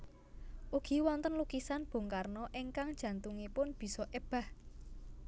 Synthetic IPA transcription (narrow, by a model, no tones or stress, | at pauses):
ʔuɡ̥i̤wɔnt̪ənlukisanb̥o̤ŋkarnɔʔeŋkaŋd̥ʒ̥ä̤nt̪uŋipʊnb̥i̤sɔʔeb̥a̤h